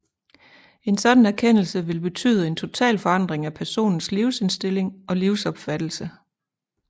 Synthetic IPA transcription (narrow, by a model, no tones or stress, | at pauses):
e̝nsɒ̽d̥n̩æɐkʰen̰l̩səʋe̝lb̥e̝t͡sʰy̰ːðˠe̝nt͡sʰo̝t͡sʰɛ̰ːlfɒ̽ɑ̈n̰d̥ʁeŋæpʰæɐso̝̰ːnn̩sliʊse̝nsd̥e̝le̝ŋɒ̽liʊsɒ̽b̥fæd̥l̩sə